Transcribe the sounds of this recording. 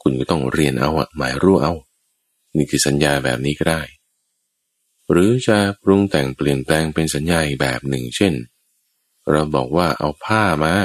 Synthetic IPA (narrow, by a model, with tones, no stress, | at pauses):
kʰu˧nkɔː˥˩t̪ɔ˥˩ŋɾi˧ənʔa˧wʔa̰˨˩maː˩˦jɾuː˧˩ʔa˧w | niː˥˩kʰɯː˧˩sa˩˦njaː˧bɛ̰ː˨˩p̚niː˦˥kɔ˥˩daː˥˩j | ɾɯː˩˦t͡ɕʰa˧˩pʰɾu˧ŋt̪ɛ˨˩ŋpli˨˩ənplɛː˧ŋpe˧nsa˩˦njaː˧i˨k̚bɛ̰ː˨˩p̚nɯ˨˩ŋt͡ɕʰe˥˩n | ɾa˧wbɔ̰ː˨˩k̚waː˥˩ʔa̰˧wpʰaː˥˩maː˧